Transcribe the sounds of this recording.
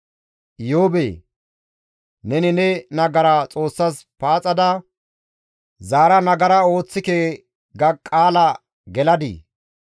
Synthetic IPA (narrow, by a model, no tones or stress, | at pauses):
joːbeː | nɛnɪnɛnɐɡɐɾat͡sʼo̞ːsːɐs | paːt͡sʼɐd̪ɐ | zaːɾɐnɐɡɐɾɐo̞ːt͡sːɪke | ɡɐkʼaːlɐ | ɡɛlɐd̪ḭ